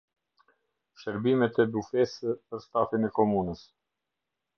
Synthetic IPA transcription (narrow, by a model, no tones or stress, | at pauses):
ʃəɾbimɛt̪ɛd̪ufɛsəpəɾst̪afinɛkɔmunəs